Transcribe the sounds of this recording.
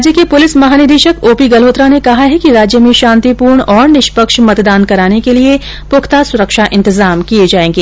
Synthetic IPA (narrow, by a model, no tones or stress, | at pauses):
d͡ʒjəkepʊlɪsmɐɦaːnɪɾd̪eːʃəkoːpiɡɐlɦoːt̪ɾanekɐɦaɦɛkiɾaːd͡ʒjəmẽʃãːnt̪ipuːɾɳɔːɾnɪʃpəkʃmɐt̪d̪aːnkɐɾaːnekelie | pʊkʰt̪asʊɾəkʃaʔɪ̃nt̪ɪzaːmkied͡ʒaːẽːŋɡeː